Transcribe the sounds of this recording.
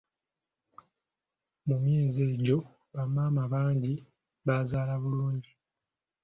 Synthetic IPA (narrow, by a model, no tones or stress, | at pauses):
mumje̞ːze̞ːɟo̞ | βamaːmaβaːɲɟi | βazaːlaβuluːɲɟi